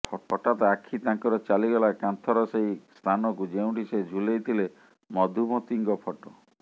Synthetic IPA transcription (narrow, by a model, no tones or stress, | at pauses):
pʰɔʈɔʈat̪ɔakʰit̪ãŋkɔɾɔt͡ʃaliɡɔlakant̪ʰɔɾɔsejst̪ʰanɔkud͡ʒew̃ɳʈised͡ʒʱulejt̪ʰile | mɔd̪ʱumɔt̪iŋɡɔpʰɔʈɔ